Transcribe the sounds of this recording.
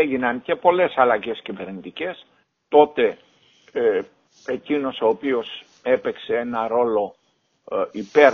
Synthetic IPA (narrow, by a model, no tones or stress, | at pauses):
eʝinɐnce̞po̞le̞sɐlɐʝe̞scive̞ɾnit̪ice̞s | t̪o̞t̪e̞ | ecino̞so̞ːpio̞s | e̞pe̞kse̞e̞nɐɾo̞lo̞ | ipe̞ɾ